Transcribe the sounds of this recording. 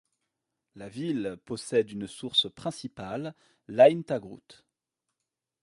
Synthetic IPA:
lavilpɔsɛd̪ynsuʁspχɛ̃sipalː | aint̪aɡʁṵt̪

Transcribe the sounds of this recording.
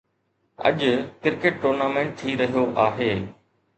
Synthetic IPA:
ɐ̰ʄkɪɾkeːʈ̚ʈoːɾnaːmẽːɳʈ̚t̪ʰiːɾɐɦijoʔaːɦeː

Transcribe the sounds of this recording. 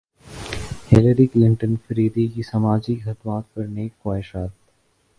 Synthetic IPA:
hɪləɾiklɪɳʈə̃nfɾiːd̪ikisɐmaːd͡ʒixɐd̪maːt̪̚pɐɾneːkxwaːɦɪʃaːt̪̚

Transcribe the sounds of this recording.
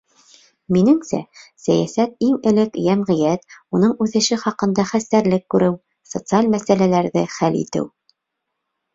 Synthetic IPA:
minɘŋsæ̰sæjæsæt̪̚iŋɘ̆lɘkjæmʁɤ̆jæt̪unɤɴʉθɘ̆ʃɘχɑqɤ̆nd̪ɑχæst̪æɾlɘkːʉɾɘw | sot̪sɨalʲmæsælælæɾðɘχælḭt̪ɘ̰w

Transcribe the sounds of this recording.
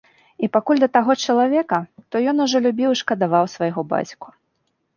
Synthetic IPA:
ipakulʲd̪ɐt̪aɣɔt͡ʂɐlˠavʲɛkɐt̪ɔjɔnuʐɔlʲubʲiwiʂkɐd̪avawsvajɣɔba̰t͡sʲku̥

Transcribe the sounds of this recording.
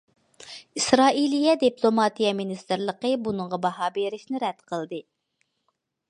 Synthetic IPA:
isɾɑːilijɛd̪iplˠomɑt̪ijɛminist̪ɨɾlˠəqəbunɨɴʁɑbɑɦɑːbeɾɪʃnɪɾɛd̪̥qʰəlˠd̪ɨ

